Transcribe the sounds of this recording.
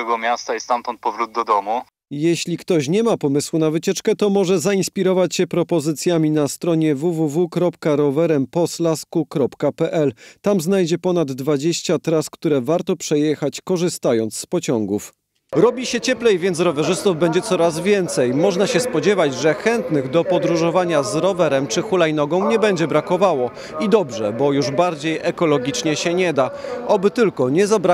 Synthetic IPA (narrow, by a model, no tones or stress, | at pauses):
ɛɡɔmʲjast̪aist̪amt̪ɔnt̪̚pɔvɾud̪̚ːɔd̪ɔmu | jeɕlʲikt̪ɔɕɲɛmapɔmɘswunavɘt͡ɕɛt͡ʂkɛt̪ɔmɔʐɛzainspʲiɾɔvat͡ɕɕɛpɾɔpɔzɘt̪sʲjamʲinast̪ɾɔɲɛvuvuvukɾɔpkaɾɔvɛɾɛmpɔslaskukɾɔpkapɛʔɛlt̪amznajd͡ʑɛpɔnad̪ːvad͡ʑeɕt͡ɕat̪ɾaskt̪uɾɛvaɾt̪ɔpʂɛjɛxat͡ɕkɔʐɘst̪ajɔnt̪sspɔt͡ɕɔŋɡuf | ɾɔbʲiɕɛt͡ɕɛplɛjvʲjɛnɾɔvɛʐɘst̪uvbɛɲd͡ʑɛt̪sɔɾazvʲjɛnt̪sɛjmɔʐnaɕɛspɔd͡ʑɛvad͡ʑʐɛxɛnt̪nɘɣd̪ɔpɔd̪ɾuʐɔvaɲazɾɔvɛɾɛmt͡ʂɘxulajnɔɡɔ̃w̃ɲɛbɛɲd͡ʑɛbɾakɔvawɔ | id̪ɔbʐɛbɔjuʐbaɾd͡ʑejʔɛkɔlɔɡʲit͡ʂɲɛɕɛɲɛd̪aʔɔbɘt̪ɘlkɔɲɛzabɾa